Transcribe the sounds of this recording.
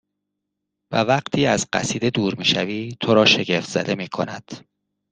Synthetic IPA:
vævæɢt̪ʰiːæzɢæ̰siːd̪e̞d̪uːɾmiːʃæviːt̪ʰo̞ɾɒːʃe̞ɟe̞ft̪z̥æ̰d̪e̞miːkʰo̞̰næd̪̥

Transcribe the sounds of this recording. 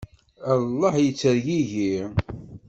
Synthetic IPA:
ɑlˤːɑħjət͡sːəɾʝiʝi

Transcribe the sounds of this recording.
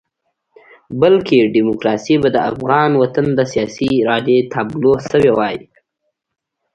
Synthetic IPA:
bəlkeɖimʊkɾɑsibad̪əa̰fɣɑnwat̪and̪əsijɑsiɾɑɖet̪ʰablosəwewɑji

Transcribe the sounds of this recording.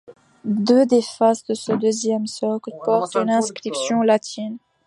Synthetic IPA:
d̪ød̪efasd̪əsəd̪øzjɛmsɔklpɔʁt̪ynɛ̃skχipsjɔ̃lat̪ʰin

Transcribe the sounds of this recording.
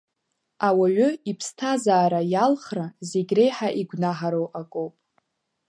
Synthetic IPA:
awaʕʷʊipʰstʰazaːɾajalχrazeɡʲrejħaʔiɡʷnaħaɾowʔakʷʼowpʼ

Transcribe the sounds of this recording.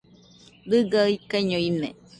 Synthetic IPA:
dɨɡaɯikaiɲoinḛ

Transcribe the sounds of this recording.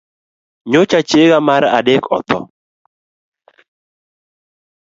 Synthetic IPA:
ɲot͡ʃat͡ʃeɡamaɾa̰dekɔ̰t̪ʰɔ̰

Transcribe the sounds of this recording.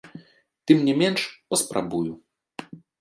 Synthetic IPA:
t̪ɨmnʲɛmʲɛnʂpɐspɾʔa̰buju

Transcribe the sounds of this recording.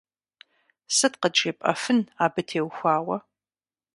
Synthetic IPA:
sɨtqət͡ʃʼeːpʼɐ̰fɨnaːbɨtʰeːwxʷaːwɐ

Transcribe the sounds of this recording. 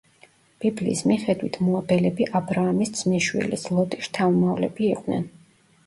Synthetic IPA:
b̥iblḭːsmiχɛd̪wit̪ʰmɔabɛlɛbiʔabɾaːmisd̪z̥miʃwḭlḭslˠɔt̪ʼiʃt̪ʰavmavlɛbiːqʼnɛ̰n

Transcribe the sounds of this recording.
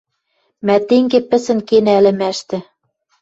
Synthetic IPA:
mæt̪eŋɡepɘ̆sɘ̆nkenælɘ̆mæʃt̪ɘ̆

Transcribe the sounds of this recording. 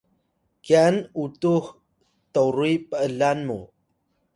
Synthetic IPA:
kianutuh | təwɾuipəəlanmṵ

